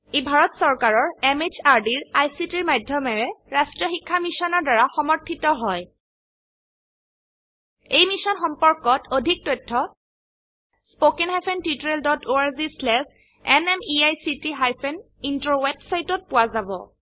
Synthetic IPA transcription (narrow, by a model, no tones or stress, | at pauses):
ebʱaɹɔtsɔɹkaɹɔɹemet͡ʃaɹdiɹajsitiɹmajdʱjɔmɛɹɛɹastɹɔxikʰːamisɔnɔɹdaɹaxɔmɔɹtʰitɔɦɔj | ejmisɔnxɔmpɔɹkɔtʰodʱik̚tɔjtʰːɔ | spokɛnɦajpʰɛntitɔɹeldɔtʰoaɹzislɛs | ɛnɛmiajsitiɦajpʰɛn | intɹowɛbsajtɔt̚pʊwazabɔ̰